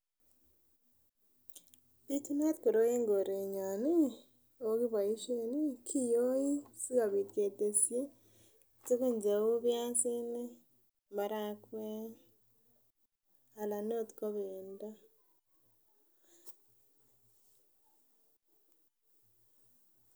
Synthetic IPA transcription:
di˦tu˦na˦ti̥˨ko˨ɾo˦je˦ŋɡo˨ɾe˨ɲa˨ni˦ | o˦ki˦βa˨i˦ʃe˦ni˦kʰi˦jo˦ji˦si˦ka˨βi˨tke˨te˨sje˦ | t͡se˦ku˦ɲd͡ʒe˨wo˦βja˦nsi˦ne˦ | ma˨ɾa˦kwe˦ | a˨la˨no˦ti̥˨ko˦βeːnda˦

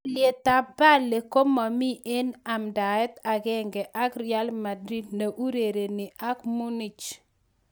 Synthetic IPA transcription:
lje˨t̪a˨ba˦le˨ko˦mɔ˨mi˦ʔe˦na˨mda˨ɛ˦t̪a˨ɡɛ˦ŋɡɛ˨ʔa˦kɾi˦a˦lma˨dɾi˦d̚na˨ʔu˦ɾe˨ɾe˨nɪ˨ʔa˦kmu˦ni˨t͡ʃ

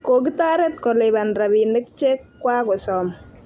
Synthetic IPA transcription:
ko˨ɡi˦t̪a˦ɾɛ˦t̪̚kɔ˨lɛba˨nɾa˨bi˨nɛ˦k̚t͡ʃe˦kːwa˦kɔ˨sɔ˨m

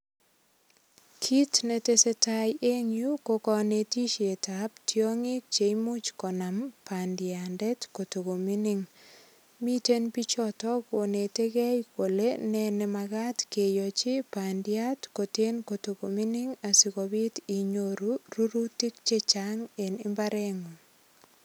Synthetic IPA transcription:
kʰi˦tne˨te˦se˦tajʔe˦ŋju˦kokɔ˨ne˨ti˦ʃe˨taptʰjo˦ŋɪ˦k̚t͡ʃe˨mu˦t͡ʃkɔ˨nampandɪa˨ndɛ˦tko˨to˨ɡo˨mi˦nɪŋ | mi˦te˦npi˦t͡ʃɔtɔ˦ko˨ne˨te˦kɛ˦jko˨lenɛnɛ˨maɡatke˨jɔ˨t͡ʃɪ˦pandɪa˦tko˨te˦nko˨to˨ko˨mi˦nɪ˦ŋa˨si˨kobi˦ti˨ɲoɾuru˦ɾuti˦kt͡ʃet͡ʃaŋe˨nɪ˦mbaɾɛ˦ŋu˨

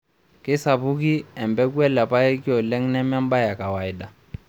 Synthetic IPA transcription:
kɪ˦sa˨βu˦k̬i˦ɛ˨mbɛ˦kwɛ˦la˨pa˦ɛ˦ki˦ɔ˨lɛ˦ŋ̩˦nɛ˦m˦a˦m˦ba˦ja˨ka˨wa˨i˨ɗa˨

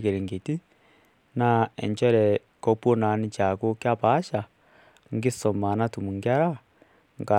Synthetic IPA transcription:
ke˨ɾe˨ŋɡe˨ti˦ | na˦ḛ˨ɲt͡ʃɔ˦ɾɛ˨ | ko˦pwo˦na˨˦ni˦t͡ʃa˨ko˦kja˦pa˨˦ʃa˨ | ŋ˦ɡi˦sɔ˨ma˨na˦tu˨mu˨ŋɡja˦ɾa˦ | ŋɡa˨

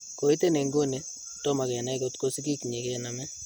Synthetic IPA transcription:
ko˨i˦te˦ne˨ŋɡo˦ne˨ | to˦ma˨kɛ˨na˦i˦ko˦tko˦si˦ki˦ki˨ɲe˨kɾe˨na˨mɛ˦

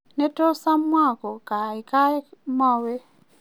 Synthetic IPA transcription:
ne˦to˦sa˦mwa˦˨kɔ˨ka˨i˨ka˦ma˦˨we˦

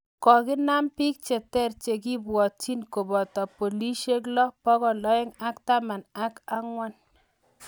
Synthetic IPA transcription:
kɔ˨kɪ˦na˦mpi˦k̚t͡ʃɛ˨tɛ˦˨rt͡ʃe˨ki˦bwɔ˨t̚t͡ʃi˦nko˨bɔ˨tɔ˨po˨li˦ʃe˦klɔ˦pɔ˦kɔ˨lɔ˦ɛ˦ŋa˦kta˦ma˨na˦ka˦ŋwa˦n

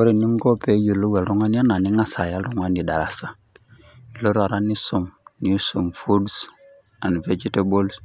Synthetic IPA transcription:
o˦ɾi˨ni˦ŋɡo˦pe˨˦ju˨lo˦we˨lɾu˦ŋa˦n˦a˦na˨ni˦ŋa˦sa˨ja˦lɾu˦ŋa˦ndi˨da˨ɾa˨sa˦ | i˨lo˦ɾa˨ɾa˦ni˦so˨mni˨˦so˨mfu˦ds | a˨ni˨ve˦d͡ʒi˦te˦bo˦ls

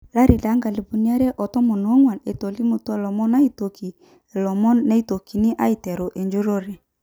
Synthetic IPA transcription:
la˦ɾi˨da˨˦ŋɡa˨li˨bu˨ni˦a˦ɾɛ˦ʔɔ˨tɔ˦mɔ˨no˨˦ŋwa˨ne˨to˨li˦mu˨tlɔ˨mɔ˦na˦i˦to˨ki˨ | e˨lɔ˨mɔ˦nːe˦i˦to˨ki˨ni˦ʔa˦i˨tɛ˨ɾo˨ʔe˨ɲd͡ʒu˦ɾo˦ɾe˨

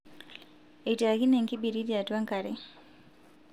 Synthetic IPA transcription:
e˨ti˨a˨ki˦nɛ˨ŋki˦bi˨ɾi˦di˦a˨twa˦ŋka˨ɾɛ˦

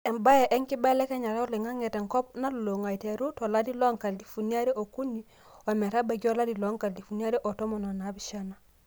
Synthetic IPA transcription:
e˨mba˦je˨ʔe˦ŋki˦ba˦le˦ke˦ɲa˨ɾu˦li˨ŋa˦ŋe˨te˨ŋko˦p̚na˦lu˨lo˨ŋa˨i˨te˨ɾu˦to˨la˦di˦lo˦ŋka˨ldi˨fu˨ni˦a˦ɾe˦ʔo˨ku˦ni˦ | o˨me˨ɾa˦be˨ɡo˦la˦di˨lo˦ŋka˨ldi˨fu˨na˦ɾe˦ʔo˨to˦mo˨no˨na˨˦bi˦ʃa˦na˨

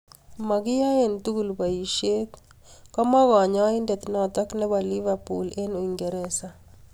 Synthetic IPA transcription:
ma˨kɪ˦ja˦e˨nt̪u˦ɡu˨lbaiʃe˦k | kɔ˦mɔ˦ɣɔ˨ɲɔ˦i˦ndɛ˨t̪nɔ˨t̪ɔ˦knɛ˦bali˦vapṵle˦no˨iŋɡe˨ɾɛsa˨

